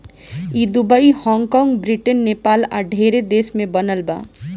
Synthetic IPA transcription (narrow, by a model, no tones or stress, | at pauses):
id̪ubaihɔŋkɔŋɡbɾiʈenːepalaɖʱeɾed̪esmebʌnəlba̰